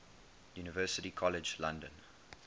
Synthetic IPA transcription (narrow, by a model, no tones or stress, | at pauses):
juːnɪvɜːˑsətikʰɔlɪd͡ʒlãndə̃n